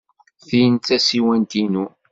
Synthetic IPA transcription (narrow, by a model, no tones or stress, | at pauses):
θijənæsiwænt̪inu